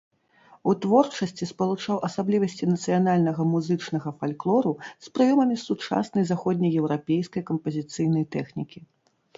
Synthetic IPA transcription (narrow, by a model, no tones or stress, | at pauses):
ut̪vɔrt͡ʂɐsʲt͡sʲispɐlˠut͡ʂawʔɐsablʲivɐsʲt͡sʲinɐt̪sɨjanalʲnɐɣɐmuzɨt͡ʂnɐɣɐfalʲklˠɔɾuspɾɨjɔmɐmʲisut͡ʂa̰snɐjzaxɔd̪ʲnʲɐjɛwɾapʲejskɐjkɐmpɐzʲit̪sɨjn̪ɐjt̪ɛxnʲikʲi